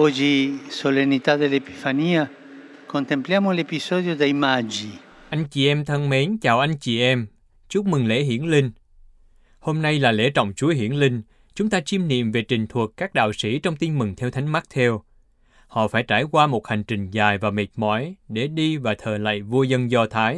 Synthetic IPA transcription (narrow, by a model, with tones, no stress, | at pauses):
ɔd͡ʒisolenːit̪ad̪elepifaniːa | kont̪empljaːmolepisɔd̪jod̪ejmad͡ʒiʔa˧jŋ̟t͡ɕi˨˩ʔɛ˧mt̪ʰə˧ŋme˨˦nt͡ɕaː˨˩wʔa˧jŋ̟t͡ɕi˨˩ʔɛ˧m | t͡ɕu˦˥k͡p̚mɨ˨˩ŋlḛ˧˥ɦḭ˧˥ənlï˧ŋ̟ | ho˧mna˧jlaː˨˩lḛ˧˥t͡ɕɔ̰˧˨wŋ͡mt͡ɕu˨˦əhḭ˧˥ənlï˧ŋ̟ | t͡ɕʊ˨˦ŋ͡mt̪aː˧t͡ɕi˧mnḭ˧˨əmve˨˩t͡ɕï˨˩ŋ̟t̪ʰwə˨˩əkkːaː˦˥k̚ɗa̰ː˧˨wsi˧˩t͡ɕɔ˧wŋ͡mt̪i˧nmɨ˨˩ŋt̪ʰɛ˧wt̪ʰa˨˦jŋ̟ma˦˥k̚t̪ʰɛ˧w | hɔ̰˧˨faː˧˩jt͡ɕaː˧˩jkwaː˧mo˨˩t̚ha˨˩ŋ̟t͡ɕï˨˩ŋ̟zaː˨˩jvaː˨˩me˨˩t̚mɔ̰˧˥jɗe˧˩ɗi˧vaː˨˩t̪ʰəː˨˩la̰ː˧˨jvu˧əzə˧nzɔ˧t̪ʰaː˨˦j